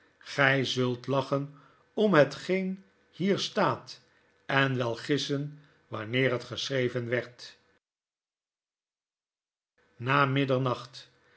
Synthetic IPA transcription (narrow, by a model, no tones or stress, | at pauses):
χɛjzɵlˠtlɑχən | ɔmɦətχejn | hiːɹstaːt | ɛnʋɛlˠχɪsən | ʋɑnɪːɹɦətχəsrejvənʋɛɹt | naːmɪdəɹnɑχt